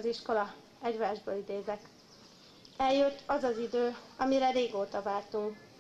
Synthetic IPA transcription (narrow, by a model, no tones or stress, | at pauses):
ziʃko̞lɒ | ɛɟʋaːʒbøːlid̪eːzɛk | ɛljøt̪ːɒzɒzid̪øːɒmiɾɛɾeːɡoːt̪ɒvaːlt̪uŋk